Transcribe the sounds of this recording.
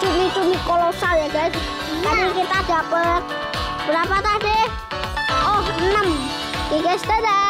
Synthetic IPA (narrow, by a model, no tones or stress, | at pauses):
t͡ʃunit͡ʃunikolosaljaɡa | kaɾokit̪ad̪̥apət̪̚ | b̥əɾapat̪ad̪e | oɦənəm | kikest̪əd̪a